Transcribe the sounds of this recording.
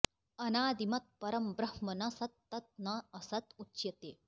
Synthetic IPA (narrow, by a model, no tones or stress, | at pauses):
ɐnaːd̪imɐt̪̚pɐɾɐmbɾɐhmɐnɐsɐt̪ːɐt̪̚nɐːsɐt̪utːʃjɐt̪eː